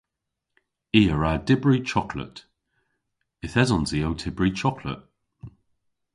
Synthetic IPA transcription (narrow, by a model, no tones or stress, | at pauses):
iːəɹadɪbɹit͡ʃʰɔkʰlə̰t | ɪθɛzɔnziːowtʰɪbɹit͡ʃʰɔkʰlə̰t̚